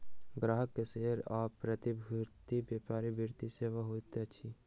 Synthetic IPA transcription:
ɡɾaːɦəkːeseːɾɔːpɾət̪ibʱuɾt̪ibjeːpaːɾibʱiɾt̪iseːʋaɦoːit̪et͡ʃʰi

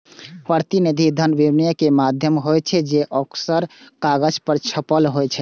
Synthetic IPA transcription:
pəɾt̪inid̪ʱid̪ʱənbibnijəkemad̪ʱjəmɦojt͡ʃʰɛd͡ʒeʔəksəɾkaɡəd͡ʒpəɾt͡ʃʰəpəlɦojt͡ʃʰɛ

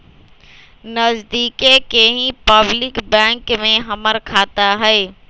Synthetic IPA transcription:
nəzd̪iːkekeɦĩpəblɪkbɛ̃ŋkmẽɦəməɾkʰaːt̪aɦəe

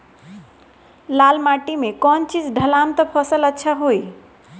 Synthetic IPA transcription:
lalmaʈimekɔnt͡ʃid͡ʒɖʱəlamt̪əpʰəsələtːʃʰaɦoj

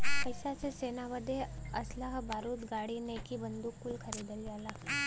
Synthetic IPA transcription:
pəjsat͡sesenaʋəd̪ʱeəslaɦəbʱaɾuːt̪ɡaɽinekibənd̪ukːulkʰəɾiːd̪əljala

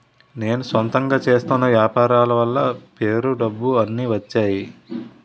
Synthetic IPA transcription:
ne̞ːnusʋɐnt̪ɐŋɡaːt͡ʃe̞ːst̪unːɐʋjaːpaːɾaːlɐʋɐlːɐpe̞ːɾuɖɐbːuɐnːiːʋɐt͡ʃːaːji

